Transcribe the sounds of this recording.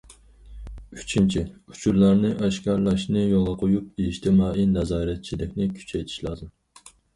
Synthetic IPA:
y̥t͡ʃʰint͡ʃʰiu̥t͡ʃʰuɾlˠæɾnɪʔɛʃkʲɑɾlˠɑʃnɨjolˠɑqʰojup̚iʃt̪ʰɪmɑːʔinɛzɑːɾɛt̪̚t͡ʃʰid̪ɪkʲnɪkʲʰy̥t͡ʃʰɛjt̪ʰi̥ʃlˠɑd̪ɨ

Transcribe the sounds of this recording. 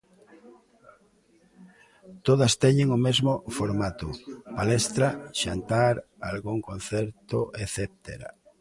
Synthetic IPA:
t̪oðɐst̪ɛɲeŋomezmofoɾmat̪ʊpalest̪ɾaʃant̪aɾ | alɣuŋkõnθɛɾt̪oʔeθep̚t̪ḛɾa̰

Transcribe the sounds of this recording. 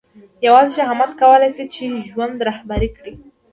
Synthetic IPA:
jawɑzʃaɦamat̪kawəlajsit͡ʃeʒwand̪ɾahbaɾikɽi

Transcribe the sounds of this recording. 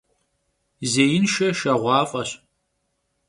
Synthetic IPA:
zeːjɪnʃɐʃɐʁʷɑːfʼɐɕ

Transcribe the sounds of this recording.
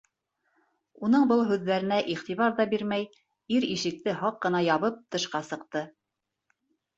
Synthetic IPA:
un̪ɤɴbɤlˠɦʉðːæɾɘ̆næʔiχt̪iβɑɾðɑbiɾmæj | iɾiʃɘ̆k̚t̪ɘɦɑqːɤ̆nɑjɑβɤp̚t̪ɤ̆ʃqɑsɤ̆qt̪ɤ

